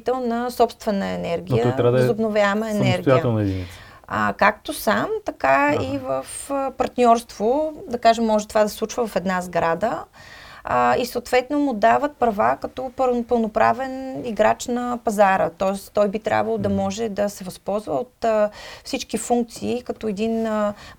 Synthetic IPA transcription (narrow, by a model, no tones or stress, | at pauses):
t̪ɛlˠnɐsɔpst̪vɛnəɛnɛɾɡʲijəɔj̪ɾad̪zobnovʲjaɛməɛnɛɾɡ̪jiaəɛnɛd̪ḭnḭ | ə̰kak̚t̪osamt̪ɐkaivəfəpɐɾt̪nʲɔɾst̪vod̪ɐkaʒɛmːɔʒɛt̪ovad̪ɐsslˠut͡ʃvəvɐfɛd̪nazɡɾad̪ə | isɐot̪vɛt̪nomʊd̪avət̪̚pɾɐvakɐt̪ɔpəpəlˠnopɾa̰vɛniɡɾat͡ʃnɐpɐzaɾət̪ɔɛst̪t̪ɔjbit̪ɾʲʔa̰bvɐlˠod̪ɐmɔʒɛd̪ɐsɛvɐspɔlˠzvəot̪fsit͡ʃkifuŋk̚t̪siːkɐt̪ɔɛd̪in